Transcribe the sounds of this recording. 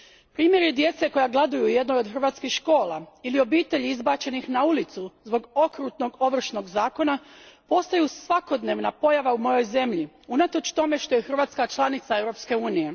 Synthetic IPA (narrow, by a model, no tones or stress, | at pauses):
pɾiːmje̞ɾid̪je̞t̪se̞ko̞jaɡlˠed̪ujuje̞d̪nojod̪xr̩ʋaːt̪skixʃko̞ːlˠa̰ilio̞biːt̪e̞ʎiizbaːt͡ɕe̞nixnaulit̪suzbo̞ɡo̞kɾuːt̪no̞ɡo̞ʋr̩ʃno̞ɡzaːko̞napo̞st̪ajusʋako̞d̪ne̞ːʋnapo̞jaʋaumo̞jo̞jze̞mʎi | unat̪o̞t͡ʃt̪o̞me̞ʃt̪o̞jexr̩ʋaːt̪skat͡ʃlˠanit̪sae̞wɾo̞pske̞uːnije̞